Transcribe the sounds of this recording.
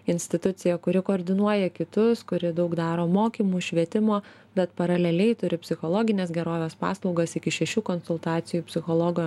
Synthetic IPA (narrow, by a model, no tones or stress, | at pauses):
ɪnʲsʲt̪ʲɪt̪ʊt̪sʲɪjɛkʊɾʲɪkoːɾʲd̪ʲɪnuɔjɛkʲɪt̪ʊskʊɾʲɪd̪ɐʊkd̪ɑːɾoːmoːkʲiːmuːʃʲʋʲiɛt̪ʲɪmoː | bʲɛt̪pɐɾɐlʲɛlʲɛɪt̪ʊɾʲɪpʲsʲɪxoːlˠoːɡʲɪnʲeːsɡʲɛɾoːʋʲeːspɑ̰ːslˠɔʊɡɐsɪkʲɪʃʲɛʃʲuːkɔnsʊlˠt̪ɑːt̪sʲɪjuːpʲsʲɪxoːlˠoːɡoː